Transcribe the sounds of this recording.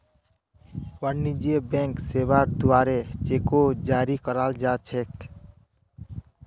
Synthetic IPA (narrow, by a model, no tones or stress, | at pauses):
wənːid͡ʒiebẽŋksebaɾd̪uaːɾet͡ʃekod͡ʒaːɾikəɾald͡ʒat͡ʃʰek